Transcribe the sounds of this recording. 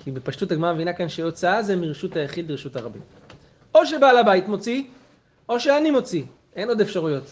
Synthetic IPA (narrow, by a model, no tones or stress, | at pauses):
kibepaʃtutaɡmamevinakanʃeo̞t͡saazemiʁeʃutajaχid̪biʁʃutaʁabḭm | o̞ʃebalabaitmo̞t͡si | o̞ʃeanimo̞t͡si | e̞no̞d̪efʃaʁujo̞t